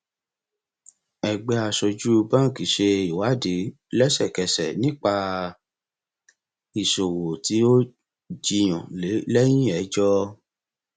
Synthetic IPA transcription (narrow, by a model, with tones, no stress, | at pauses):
ɛ˧ɡ͡bɛ˧˦a˧sɔ˧d͡ʒu˦˧bã˦˨ki˨˦ʃe˧i˨wa˨˦˨de˨˦ | lɛ˦sɛ˦˨kɛ˧˨sɛ̰˨nĩ˦k͡pa˧ | i˨so˨wo˨ti˨˦o˦ | d͡ʒi˧j̃ã˨le˨˦lɛ˦j̃ĩ˦ɛ˨˦d͡ʒɔ˦